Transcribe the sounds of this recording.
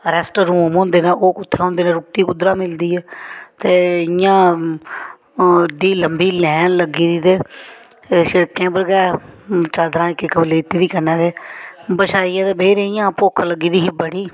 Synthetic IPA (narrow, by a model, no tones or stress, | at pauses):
ɾɛsʈɾũːmõːnd̪eːnãːʔoːkʊt̪ʰːeːɦõːnd̪eːnẽːɾʊʈːiːkʊd̪ɾaːmɪld̪iːɛːt̪eːɪjãː | ɖiːləmbiːlɛ̃ːnləɡiːd̪iːt̪eː | ʃeɽkɛ̃ːbəlɡɛːt͡ʃaːd̪ɾãːɪkːekəbleːt̪iːd̪iːkənɛ̃ːt̪eːbəʃaːiːãːt̪eːbʱeːɾeɪjãːpoːkʰləɡiːd̪iːɦiːbəɽiː